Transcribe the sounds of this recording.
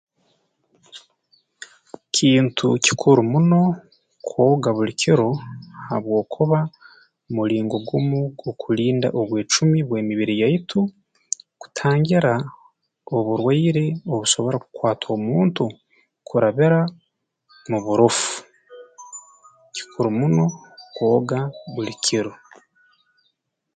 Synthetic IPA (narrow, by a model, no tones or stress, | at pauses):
cʰiːntʰṵci̥kʰuɾumuno̞ | kʰwoːɡaβulicʰiɾo̞ha̰βwo̞ːkʰuβa | muliːŋɡo̞ɡumuɡokʰuliːnda̰ʔoβwe̞ːt͡ʃumiβwe̞ːmiβiɾijaitʰu | ku̥tʰaːŋɟiɾa | oβuɾwaiɾe̞o̞βuʃo̞βo̞ɾaku̥kwaːtʰo̞ːmuːntu | kʰuɾaβiɾa | muβuɾofu̥ | ci̥kʰuɾumuno̞kwo̞ːɡaβulikʰiɾo